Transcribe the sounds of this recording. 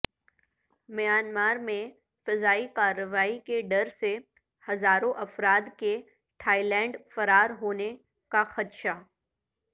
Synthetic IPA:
mɐjaːnmaːɾmẽ | fɐzaːikaːɾːəʋaːikeɖɐɾse | hɐzaːɾõʔɐfɾaːd̪ke | ʈʰaːilɛ̃ːɳɖfɐɾaːɾɦoːne | kaxɐt̪ʃaː

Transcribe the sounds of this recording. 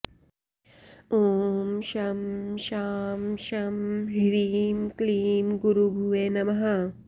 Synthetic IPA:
oːmʃɐmʃaːmʃɐmɦiɾiːmkliːmɡuɾubʱuʋeːnɐmɐɦɐ

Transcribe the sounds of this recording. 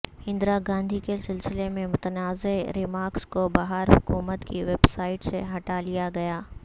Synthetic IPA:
hɪ̃nd̪ɾaɡãːn̆d̪ʱikesɪlsɪlemẽmʊt̪ənaːzeɾɪmaːɾkskobaɦəɾɦʊkuːmət̪kiʋeːbsaːɪʈseɦɐʈaːlijaɡɐjaː

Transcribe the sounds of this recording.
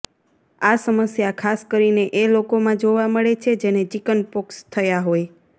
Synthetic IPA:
asəməsjakʰaskəɾineʔelokomãd͡ʒoʋaməɭet͡ʃʰed͡ʒened͡ʒikənpokst̪ʰəjaɦoj

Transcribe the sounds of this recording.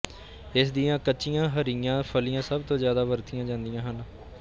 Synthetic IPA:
ɪsd̪ijãːkətːt͡ʃijãːɦəɾiãːpʰəlijãːsəbt̪õːzjaːd̪aːʋəɾt̪ʰijãːd͡ʒãːnd̪ijãːɦən

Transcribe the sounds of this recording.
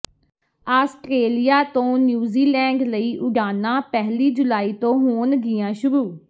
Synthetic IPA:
aːsʈɾeːlijaːt̪õːnjuːziːlɛ̃ːɳɖləiːʔʊɖaːnãːpɛɦliːd͡ʒʊlaːiːt̪õːɦoːnɡɪjãːʃʊɾuː

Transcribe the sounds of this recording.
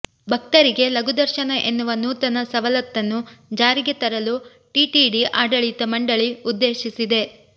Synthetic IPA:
bʱɐk̚t̪ɐɾiɡe̞lɐɡud̪ɐɾʃɐnɐʔe̞nːuʋɐnːut̪ɐnːɐsɐʋɐlɐt̪ːɐnːud͡ʒaːɾiɡet̪ɐɾɐlu | ʈiʈiɖiʔaːɖɐɭit̪ɐmɐɳɖɐɭiud̪ːe̞ːʃisid̪e̞

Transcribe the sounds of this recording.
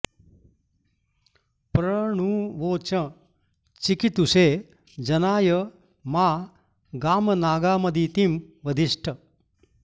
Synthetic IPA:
pɾɐɳuʋoːt͡ɕɐ | t͡ʃikit̪useː | d͡ʒɐnaːjɐ | maː | ɡaːmɐnaːɡaːmɐd̪ʱit̪im | ʋɐd̪ʱiʂʈʰə

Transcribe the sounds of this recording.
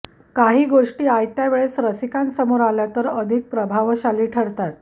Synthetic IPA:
kaɦiːɡoʂʈiːajt̪jaʋeɭesɾəsikansəmoɾaljat̪əɾəd̪ʱik̚pɾəbʱaʋɕaliːʈʰəɾt̪at̪̚

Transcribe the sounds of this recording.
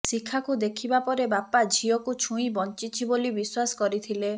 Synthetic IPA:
sikʰakud̪ekʰibapɔɾebapad͡ʒʱiɔkut͡ʃʰũĩbɔnt͡ʃit͡ʃʰibolibiswasɔ̥kɔɾit̪ʰile

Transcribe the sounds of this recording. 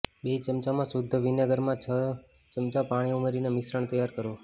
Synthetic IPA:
ɓet͡ʃəmt͡ʃamãsʊd̪ʱːəʋɪnaɡəɾmãt͡ʃʰə | t͡ʃəmt͡ʃapaɽ̃iumeɾinemɪsɾəɳ̃t̪əjaɾkəɾo

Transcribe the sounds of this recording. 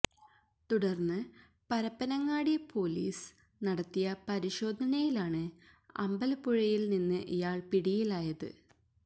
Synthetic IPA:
t̪uɽɐrnːɨ | pɐɾɐpːɐnɐŋːaːɽijɐpʰo̞ːlḭːs | nɐɽɐt̪ːijɐpɐɾiɕo̞ːd̪ʱɐnɐjilaːɳɨ | ɐ̰mbɐlpuɻɐjilninːɨʔijaːɭpiɽijilaːjɐðɨ̰

